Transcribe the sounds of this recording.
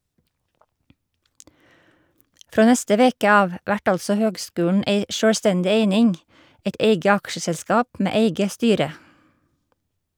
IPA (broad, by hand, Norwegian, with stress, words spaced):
ˈfɾoː ˈnɛstə ˈʋeːkə ˈɑːʋ ˈʋæʈ ˈɑlsɔ ˈhøːɡˌskʉːəɳ̩ ˈeɪ ˈʃøːɽˌstɛndɪ ˈeɪnɪŋ ˈæɪt ˈæɪɡə ˈɑkʃəsɛlˌskɑːp ˈmeː ˈeɪɡə ˈstyːɾə